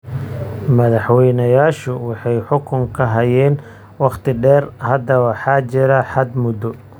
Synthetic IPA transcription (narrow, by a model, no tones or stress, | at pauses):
mɐðɑħwɛjnɐjaːʃʊwɑħɑjħʊkʰʊŋkʰɐɦɐjɛːn | wɑχt̪ʰɪɖɛːrhɐd̪ɐwɑħɑːt͡ʃɪɾɐħɑd̪mʊd̪ɔ